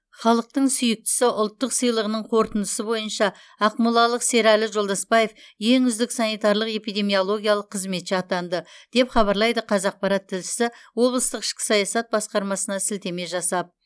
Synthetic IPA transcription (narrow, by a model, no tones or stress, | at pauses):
χɑlˠəq̚t̪əɴsʏjɪk̚t̪ɪ̥sɪʔʊlˠt̪ːəqsijlˠəʁənəɴqʰo̞ɾt̪ənd̪əsəbo̞jənʃɑ | ɑqmulˠɑlˠəqse̞ɾælɪʒo̞lˠd̪ɑspɑje̞fje̞ŋʏzd̪ɪksɑnijt̪ɑɾlˠəqe̞pijd̪e̞mijo̞lˠo̞ɡʲijɑlˠəqʰːəzme̞t̪ʃeɑt̪ɑnd̪əd̪̥e̞pχɑβɑɾlˠɑjd̪əqʰɑzɑq̚pɑɾɑt̪ʰːɪlʃɪ̥sɪwo̞blˠəst̪əqɪ̥ʃkʲɪ̥sɑjɑsɑt̪̚bɑsqɑɾmɑsənɑsɪlt̪e̞me̞ʒɑsɑp̚